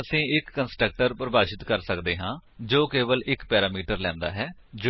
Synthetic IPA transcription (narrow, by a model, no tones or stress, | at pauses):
əsĩːɪkːənsʈɾək̚ʈəɾpɾəbaːʃɪt̪kəɾsəkd̪eːɦãːd͡ʒoːkeːʋəlɪkpɛːɾaːmiːʈəɾlɛ̃ːnd̪a̰ːɦɛːd͡ʒo